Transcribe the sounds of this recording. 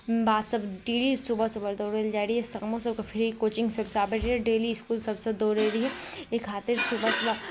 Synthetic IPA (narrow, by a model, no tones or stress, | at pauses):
baːd̪sɐbɖeːlisubəsubəɾd̪oːɾeld͡ʒaːɾiɦɛsɐkmõsɐbkapʰɪɾɦikoːt͡ʃɪ̃ŋɡsɐbsaːbəɾɦɛɖeːliɪskuːlsɐbsed̪oːɾeːɾiɦɛekʰːaːt̪ɪɾsubəsʊbə